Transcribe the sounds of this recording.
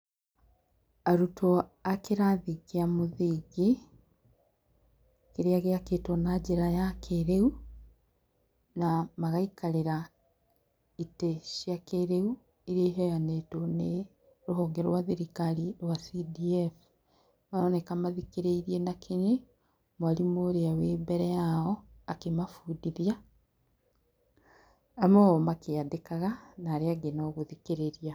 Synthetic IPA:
aɾutʰoakeɾaðiɣeamoðiɣe | keɾeaɣeaketonad͡ʒeɾajakʰeɾeu | namaɣaikaleɾa | iteʃjakeɾeu | iɾieɦɛjanetone | ɾuɦɔːŋɡeɾɾwaðiɾikaliɾwasidief | maonekamaðikiɾeiɾienakʰene | mwalimoɾeaweːbɛɾɛaɔakemafudiðja | moɔmakeadekaɣanaːɾeaɡenoɣuðikeɾeɾia

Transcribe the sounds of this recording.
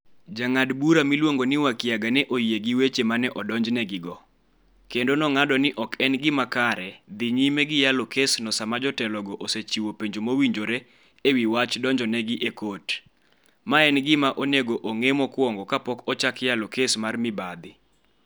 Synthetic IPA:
d͡ʒaŋadbuɾamilwoŋɡonɪwakjaɡanɛʔojieɡɪwet͡ʃemanɛʔɔdɔɲd͡ʒnɛɡɪɡɔ | kendonɔŋadɔnɪʔɔkʰɛnɡɪmakaɾɛd̪ɪɲimɛɡɪjalokesnɔsamad͡ʒɔtɛlɔɡɔʔoset͡ʃiwopeɲd͡ʒomowiɲd͡ʒoɾe | ewiwat͡ʃdɔɲd͡ʒɔnɛɡɪʔekot | maɛnɡɪmaʔoneɡoʔoŋemɔkwɔŋɡɔkapɔkɔt͡ʃakjalokesmarmɪbad̪ɪ

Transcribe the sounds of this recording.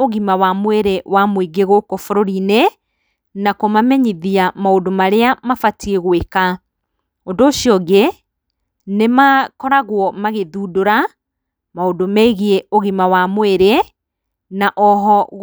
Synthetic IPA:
oɣimawamweɾewamwiɡeɣokɔfoɾoɾine | nakomamɛɲiðiamaodomaɾeamafatieɣweka | ondoːʃiɔɡe | nemakɔɾaɣwɔmaɣeðuːdoɾa | maodomɛiɣieoɣimawamoeɾe | naʔɔɦɔ

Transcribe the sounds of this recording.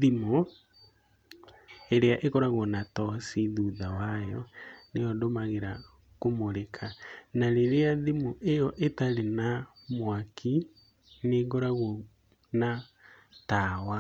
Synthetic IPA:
ðimo | eɾeaʔekɔɾaɣonatɔsiðuðawajɔneɔdomaɣeɾa | komoɾekʰanaɾeɾeaðimoʔejɔʔetaɾenamwakʰi | neɣoɾaɣo | na | tawa

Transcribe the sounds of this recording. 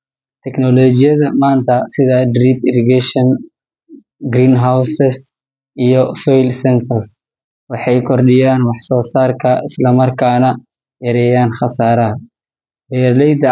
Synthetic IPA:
t̪ʰɛknɔlɔt͡ʃɪjɐðɐmaːnt̪ʰɐsɪðɐd̪riːpɪɾɪɡɛʃɔn | ɡɾiːnɦawsɛs | ʔijɔsɔjlsɛnsɐrs | wɑħɑjkʰɔrɗɪjaːnwɑħsɔːsaːrkʰɐɪslɐmɐrkʰaːnɐ | jɐɾɛːjaːnχɐsaːɾɐɦɐ | bɛɾlɛjd̪ɐ

